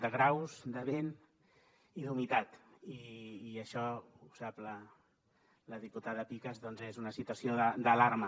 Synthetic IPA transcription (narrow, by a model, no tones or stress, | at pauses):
d̪əɣɾawzd̪əβen | iðunit̪at̪iːəʃɔ | usaplə | ləðiput̪aðəpikəzðɔnzezunəsit̪wəsioðəd̪əlaɾmə